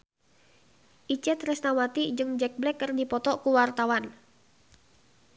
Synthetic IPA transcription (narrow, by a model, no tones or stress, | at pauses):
ʔit͡ʃɛt̪rɛsnawat̪id͡ʒɨŋd͡ʒɛk̚blɛkːərdipɔt̪ɔʔkuwart̪awan